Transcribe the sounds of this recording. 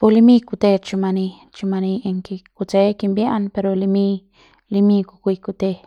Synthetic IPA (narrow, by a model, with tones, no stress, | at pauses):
pu˧li˧mi˦ku˧t̪e˧t͡ʃu˧ma˧ni˧ | t͡ʃu˧ma˧ni˧e˧ŋki˧ku˧t͡se˦ki˧mbja˦npe˧ɾo˧li˧mi˧ | li˧mi˧ku˧kʷi˧ku˧t̪e˧